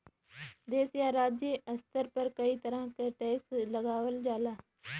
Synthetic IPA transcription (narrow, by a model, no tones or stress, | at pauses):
d̪eːsjaːɾaːd͡ʒjeʔəst̪əɾpəɾkəiːt̪əɾãːkeʈɛːsləɡaːʋəld͡ʒaːlaː